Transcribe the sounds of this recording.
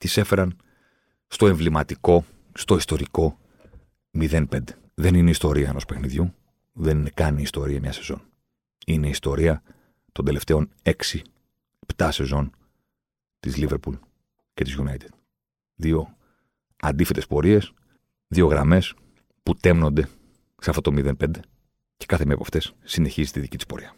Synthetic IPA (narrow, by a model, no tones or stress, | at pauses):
t̪ise̞fe̞ɾɐn | st̪o̞e̞ɱvlimɐt̪iko̞ | st̪o̞ist̪o̞ɾiko̞ | miðe̞npe̞nd̪e | ðe̞nineist̪o̞ɾiɐeno̞spe̞xniðʝu | ðe̞ninekɐniːst̪o̞ɾiɐmɲɐse̞zo̞̰n | ine̞ist̪o̞ɾiɐ | t̪o̞nd̪e̞le̞ft̪e̞o̞ne̞ksi | ept̪ɐse̞zo̞n | t̪izliveɾpul | ce̞t̪izʝunɐjt̪i̥d̪̥ | ðio̞ | ɐ̰nd̪ife̞t̪e̞spo̞ɾie̞s | ðio̞ɣɾɐ̰me̞s | put̪emno̞nd̪e̞ | seɐft̪o̞t̪o̞miðe̞npe̞nd̪e̞ | ce̞kɐθemepɐft̪e̞sːine̞çizit̪iðicit̪i̥spo̞̰ɾiɐ